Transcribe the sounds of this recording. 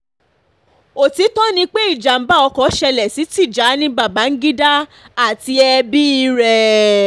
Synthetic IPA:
o˨ti˨˦tɔ˦nĩ˧k͡pe˦i˦˨d͡ʒa˨m̩˨˦ba˦ɔ˧kɔ˨˦ʃɛ˧lɛ˨si˨˦ti˦˨d͡ʒa˨˦nĩ˧ba˦˨ba˨˦ŋ̩˦ɡi˦da˦ | a˦˨ti˧ɛ˧bi˦i˧˦ɾɛ˧

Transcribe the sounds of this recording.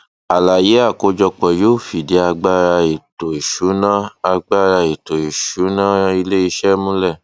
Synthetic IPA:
a˨la˨je˨˦a˦˨ko˧˦d͡ʒɔ˧k͡pɔ˨jo˨˦˨fi˨de˨˦a˧ɡ͡ba˦ɾa˧e˨to˨i˨ʃu˨˦nã˦a˧ɡ͡ba˦ɾa˧e˨to˨i˨ʃu˨˦nã˦i˧le˦i˧˦ʃɛ˦mũ˦lɛ˦˨

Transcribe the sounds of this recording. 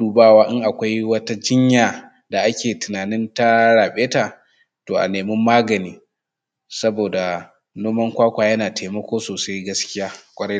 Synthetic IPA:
uː˨baː˦˨waː˦ʔɪ˦ŋʔa˨kʷa˦jwɐ˦ta˦d͡ʒɪ˦ɲjaː˨ | da˨ʔa˦kʲeː˨tɪ˨naː˨nɪ˦nta˦ɽaː˨ɓeː˦ta˨ | toː˨ʔa̰˨neː˨mɪ˦mːaː˦ɡɐ˨niː˦ | sɐ˦boː˨da˨ | noː˦mɐ˦ŋkʷaː˦kʷaː˨jɐ˦naː˨tʰeː˨mɐ˦kʷoː˦soː˨sa˦jɡɐ˦skʲɪ˦jaː˦kʷʼɐ˦ɽɐ˦

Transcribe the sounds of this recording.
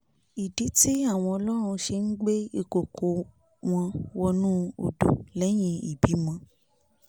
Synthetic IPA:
i˨di˨˦ti˦a˦˨w̃ɔ̃˧ɔ˧lɔ˦ɾ̃ũ˧ʃe˧n̩˦ɡ͡be˦i˧˨ko˨kʰo˨˦ | w̃ɔ̃˧wɔ˧nũ˦o̰˨do˨lɛ˨˦j̃ĩ˧ḭ˨bi˨˦mɔ̃˧

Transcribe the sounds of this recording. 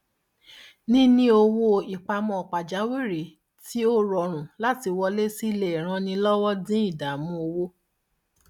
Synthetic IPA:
nĩ˦nĩ˧˦o˧wo˦i˨k͡pa˧mɔ̃˧ɔ˨k͡pa˨d͡ʒa˨˦we˦˨ɾe˨˦ | ti˦o˦ɾɔ˨ɾ̃ũ˨la˦ti˧wɔ˧le˦si˦˨le˦˨i˨ɾ̃ã˧nĩ˧lɔ˦wɔ˦dĩ˦i˦˨da˨˦mũ˧o˧wo˦

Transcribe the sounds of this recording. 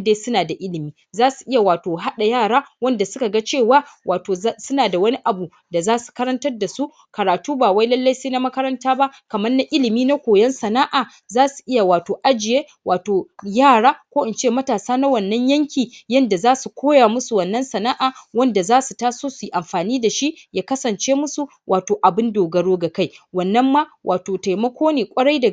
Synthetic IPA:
deː˦sʊ˦naː˨da˨ʔɪ˦lɪ˨miː˦ | zaː˦su˨ʔɪ˦ja˨waː˨toː˨ɦa˦ɗa˨jaː˦˨ɽaː˦wɐ˦nda˨sʊ˦ka˨ɡa˦t͡ʃeː˦˨waː˦wʔaː˨toː˨˦sʊ˦naː˨da˨wɐ˦ni˦ʔa˨bu˨ | da˨zaː˦su̥˨kɐ˦ɾɐ˦ntɐ˦rda˨su˦ | kɐ˨ɾaː˨tuː˦baː˨wa˦jlɐ˦lːa˦jseː˦na˦mɐ˦kɐ˦ɾɐ˦ntaː˦ba˦kɐ˨mɐ˦rna˦ʔɪ˦lɪ˨miː˦na˦kʷoː˨jɐ˦nsɐ˨naː˦ʔaː˨ | zaː˦su̥˨ʔɪ˦ja˨waː˨toː˨ʔa˦d͡ʒɪ˨jeː˦ | wʔaː˨toː˨jaː˦˨ɽaː˦kʷoː˦ʔɪ˨nt͡ʃeː˦˨mɐ˦taː˨saː˦na˦wɐ˨nːɐ˦ɲjɐ˦ŋkʲiː˨jɐ˦nda˨zaː˦su˨kʷʰoː˦jaː˨mʊ˦su˨wɐ˨nːɐ˦nsɐ˨na˦ʔaː˨wɐ˦nda˨zaː˦su˨taː˦soː˦su˨ʔa˨mɸaː˨niː˦da˨ʃi˦ʔjaː˦kɐ˦sɐ˨nt͡ʃeː˦mʊ˦su˨ | wʔaː˨toː˨ʔa˨bɪ˦ndoː˨ɡɐ˨ɽoː˦ɡa˨ka˦jwɐ˨nːɐ˦mːa˦wʔa̰ː˨toː˨ta˨jmɐ˦kʷʰoː˦neː˨kʷʼɐ˦ɽa˦jdɐ˨

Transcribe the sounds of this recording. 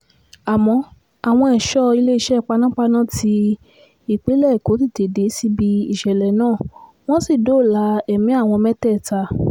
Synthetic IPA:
a˨mɔ̃˧ | a˨w̃ɔ̃˧ɛ˨ʃɔ˦i˧le˦i˦˧ʃɛ˦˨k͡pa˧nã˦k͡pa˧nã˦˨tʰi˧ | i˨k͡pe˨˦lɛ˦˨ko˨˦ti˦˨te˨˦de˨˦si˧bi˧i˦˨ʃɛ˨lɛ˨nãː˦˨ | w̃ɔ̃˦si˦˨do˨˦˨la˧˦ɛ˨mĩ˨˦a˦˨w̃ɔ̃˧mɛ˦tɛ˦˨ta˧˦

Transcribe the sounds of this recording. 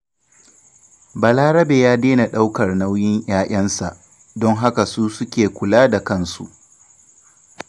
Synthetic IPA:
ba˨laː˦ɾɐ˦beː˨jaː˦deː˦na˨ɗa˦wkɐ˨rna˦wjɪ˦ɲj̰aː˦ʔɐ˦nsa˨ʔ | dɔ˦ŋɦa˦ka˨suː˦sʊ˦kʲeː˨kʷʊ˨laː˦da˨kɐ˦nsṵ˨ʔ

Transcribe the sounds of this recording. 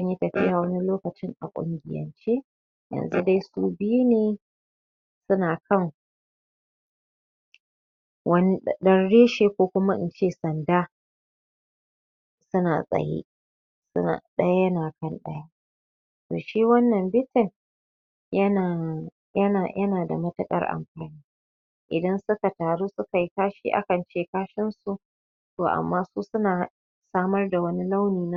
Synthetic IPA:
ʔɐ˦ɲji˦tɐ˨ɸɪ˦jaː˨wɐ˦ni˦loː˦kɐ˨t͡ʃɪ˦ŋʔa̰˨kʷʼʊ̰˦ŋɡʲɪ˨jɐ̰˨nt͡ʃe˦ | jɐ̰˨nzu˦da˦jsuː˦bɪ˦ju˦neː˨ | sʊ˦naː˨kʰɐ˦˨ŋ | wɐ˦ni˦ɗɐ˦nɽeː˦ʃeː˨kʷoː˦kʷʊ˦ma˦ʔɪ̰˦nt͡ʃeː˦˨sɐ˨ndaː˦ | sʊ˦na̰ː˨sʼɐ̰˨jḛː˦ | sʊ˦a̰˨ɗɐ˦ja˦jɐ˦naː˨kɐ˦nɗɐ̰˦ja˦ | toː˨ʃiː˦wɐ˦nːɐ˨mbɪ˦tɪ˨n | jɐ˦naː˨ | jɐ˦naː˨jɐ˦naː˨da̰˨mɐ˦tʊ˦kʼɐ̰˦rʔa̰˨mɸaː˨niː˦ | ʔɪ˨dɐ˦nsʊ˦ka˨taː˨ɽuː˦sʊ˦ka˨ji˦kaː˦ʃḭː˦ʔa̰˦kɐ˨nt͡ʃeː˦˨kaː˦ʃɪ˦nsu˨ʔ | toː˨ʔa̰˨mːaː˦suː˦sʊ˦naː˨ | saː˦mɐ˦rda˨wɐ˦ni˦la˦wniː˨na˦

